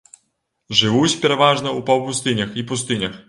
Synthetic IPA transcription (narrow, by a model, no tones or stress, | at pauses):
ʐɨvut͡sʲpʲɛɾɐvaʐnɐupɐwpust̪ɨnʲɐxipust̪ɨnʲɐx